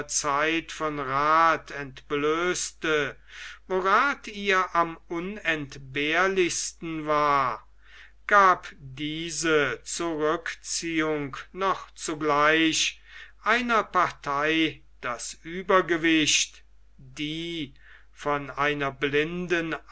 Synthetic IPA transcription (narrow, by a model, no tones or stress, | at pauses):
t͡saɪtfɔnʁaːtʰɛntb̥løːstə | voːʁaːtʰiːɐʔamʊnɛntbeːɐlɪçstn̩vaːɐ | ɡ̥aːpdiːzət͡suʁʏkt͡siːʊŋknɔχt͡suɡlaɪʃʔaɪnɐpaɐtʰaɪ | d̥asʔyːbɐɡəvɪʃt | diː | fɔnaɪnɐblɪndən